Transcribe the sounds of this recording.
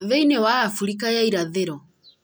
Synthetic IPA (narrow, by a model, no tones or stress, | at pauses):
ðɛinewaːfuɾikajaiɾaðeɾɔ